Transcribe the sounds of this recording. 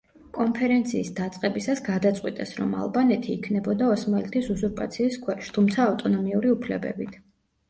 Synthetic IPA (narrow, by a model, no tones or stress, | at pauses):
kʼɔnpʰɛɾɛnt̪sʰiːsd̪at̪sʼqʼɛbisasɡad̪at̪sʼqʼwit̪ʼɛsɾɔ̰ma̰lˠbanɛt̪ʰiːkʰnɛbɔd̪aɔsmalit̪ʰisuzuɾpʼa̰t̪sʰiːskʰwɛʃt̪ʰumt̪sʰaːft̪ʼɔnɔmiuɾiupʰlɛbɛ̰bit̪ʰ